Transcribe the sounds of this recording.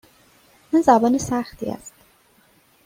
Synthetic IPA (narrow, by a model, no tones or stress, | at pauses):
mænzæbɒːnesæxt̪ʰḭːæ̰st̪